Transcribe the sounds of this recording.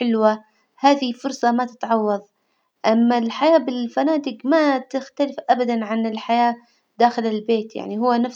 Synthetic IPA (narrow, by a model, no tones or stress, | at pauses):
ɪlwa | haːðɪhfʊɾsˤɑmat̪ɪ̥t̪ʕɑwːɑðˤ | ʔamːalħajaːbɪlfanaːt̪ɪɡmat̪ɪxt̪alɪfʔabad̪anʕanɪlħajaː | d̪aːxɪlɪlbeːt̪ja̰ʕniɦʊwːanaf